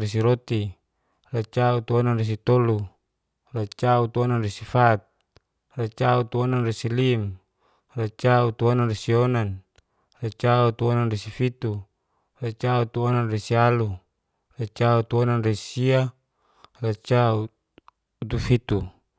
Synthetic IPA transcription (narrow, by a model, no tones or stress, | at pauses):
res̬iɾɔt̪i | rat͡ʃaut̪uɔnanres̬it̪ɔlu | rat͡ʃaut̪uɔnanresifat̪̚ | rat͡ʃaut̪uɔnanresilim | rat͡ʃaut̪uɔnanresiɔnan | rat͡ʃaut̪uɔnanresifit̪u | rat͡ʃaut̪uɔnanresialu | rat͡ʃaut̪uɔnanresia | rat͡ʃau | ut̪ufit̪u